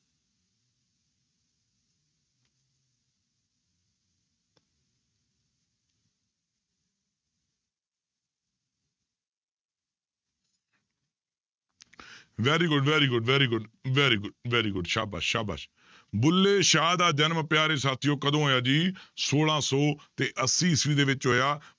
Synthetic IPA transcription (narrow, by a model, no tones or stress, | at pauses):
ʋɛːɾiːɡʊɖʋɛːɾiːɡʊɖʋɛːɾiːɡʊɖʋɛːɾiːɡʊʋɛːɾiːɡʊɖʃa̰ːba̰ːʃaːba̰ːʃ | bʊlːeːʃaːd̪aːd͡ʒənmpɪjaːɾeːsaːt̪ʰɪjõːkəd̪õːɦoːjaːd͡ʒiːsoːlãːsɔːt̪eːʔəsːiːɪsʋiːd̪eːʋɪt͡ʃɦoːjaː